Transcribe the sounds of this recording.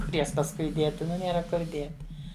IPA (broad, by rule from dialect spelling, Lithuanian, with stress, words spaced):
ˈkʊr ˈjɛs pɐsˈkʊɪ ˈdʲiɛtʲɪ ˈnʊ ˈnʲeːrɐ ˈkʊr ˈdʲiɛtʲɪ